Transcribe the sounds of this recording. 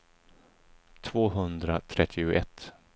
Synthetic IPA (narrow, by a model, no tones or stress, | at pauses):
t̪ʰvoːɦɵnd̪ɾat̪ʰɾɛt̪ʰːɪʊʔɛ̰t̪ː